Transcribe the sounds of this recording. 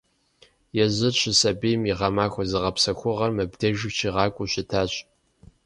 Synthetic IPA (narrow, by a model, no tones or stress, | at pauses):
jɛʑɨɕʰɪsɐbijmiʁɐmaːxʷɔzɨʁɐpsɐxʷʊʁɐrmɐbdɐʒɨt͡ʃʰiːʁɑːkʷʼʊɕɪtʰaːɕʼ